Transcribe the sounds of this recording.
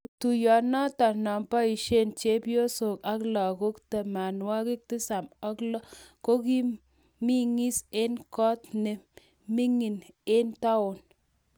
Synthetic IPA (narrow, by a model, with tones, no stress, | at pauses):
tu˨jɔ˨nɔ˦ta˨nɔ˨mpa˦i˨ʃe˦˨nt͡ʃe˦po˦so˨ka˦klɔ˨ko˦kte˨ma˨nwa˦kɪ˦k̚tɪ˦sa˨mɔ˦klɔ˦ko˦ki˦ | mi˦ŋi˦se˦nkɔ˦tne˨ | mi˦ŋi˨ne˦nta˦ʊ˨n